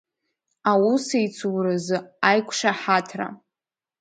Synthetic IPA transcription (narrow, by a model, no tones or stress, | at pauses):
awusejt͡sʰuwrɨzɨajkʷʰʂaħatʰra̰